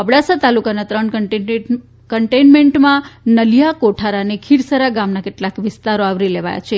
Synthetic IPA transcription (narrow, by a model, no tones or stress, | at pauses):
əbɽasat̪alukanat̪ɾəɳkə | kəɳʈejnmeɳʈmãnəlijakoʈʰaɾanekʰiɾsəɾaɡamnakeʈlakʋɪst̪aɾoaʋɾileʋa̰ja̰t͡ʃʰe